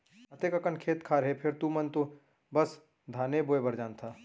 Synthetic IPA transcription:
ɐt̪eːkɐkənkʰeːt̪kʰaːɾɦepʰɪɾt̪umɐnt̪o | bɐs | d̪ʱaːneboːebɐɾd͡ʒaːnt̪ʰaː

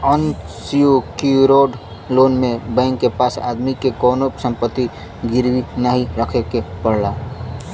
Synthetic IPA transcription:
ənsiokuɾoɖ | loːnmẽbə̃ŋkːepasa̰d̪mikekɔːnosə̃mpət̪ːi | ɡiɾbinaɦiɾəkʰekepəɽla

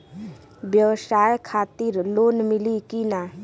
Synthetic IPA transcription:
bjəwsaːjkʰaːt̪iɾloːnmɪlikinaː

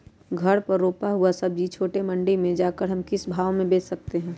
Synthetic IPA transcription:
ɡʱɐɾpɐɾːoːpaɦuasɐb̚d͡ʒit͡ʃʰoːʈemɐ̃ɳɖimẽd͡ʒaːkəɾɦɐmkɪsbʱaːʋmẽbeːt͡ʃsɐk̚t̪eɦɛ̃ː

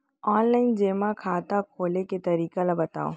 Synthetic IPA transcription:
ɔːnlaːɪnd͡ʒeːmãkʰaːt̪akʰoːleket̪ɐɾiːkalabɐt̪a̰ːo̰

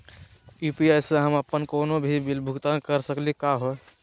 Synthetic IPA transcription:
jupiaɪseɦəməpːənkoːnobʱibilbʱuɡt̪akəɾsəklikaɦo

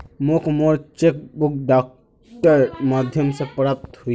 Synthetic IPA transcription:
mokmoɾt͡ʃek̚bukɖaːk̚ | ʈəɾmad̪ʱjəmsepɾap̚t̪ɦui

